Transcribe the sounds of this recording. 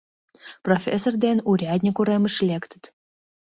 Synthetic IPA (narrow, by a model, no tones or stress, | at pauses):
profʲesord̪enʲuɾʲad̪ʲnʲikuɾeməʃlʲekt̪ə̆t̪